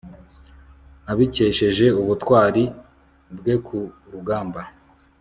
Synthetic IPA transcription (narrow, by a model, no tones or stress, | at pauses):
aβice̞ʃe̞ʒe̞uβutwaːɾi | bɡe̞kʰu | ɾuɡaːmba